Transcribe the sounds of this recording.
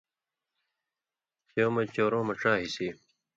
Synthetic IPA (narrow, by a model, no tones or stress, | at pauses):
sjoːmɐt͡ɕoːɾõːmɐʈ͡ʂãːɦisiː